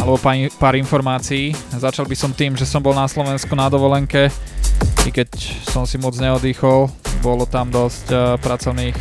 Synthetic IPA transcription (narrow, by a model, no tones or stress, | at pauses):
alɛbɔpapaːɾinfɔɾmaːt͡siːzat͡ʃalbisɔmt̪iːmʒɛsɔmbɔlnaslɔʋɛnskunad̪ɔʋɔlɛŋkɛ | ikɛcsɔmsimɔd͡zɲɛɔd̪iːxɔlbɔlɔt̪amd̪ɔscpɾat͡sɔʊniːx